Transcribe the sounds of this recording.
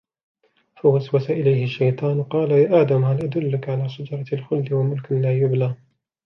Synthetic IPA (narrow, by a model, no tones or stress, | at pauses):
fawaswasaʔɪlajhɪʃːajt̪ˤɑːnqɑːlajaːʔaːd̪amhalʔad̪ʊlːɪkʕalaːʃad͡ʒɑɾˤɑlxʊlːɪwamʊlklaːjʊblaː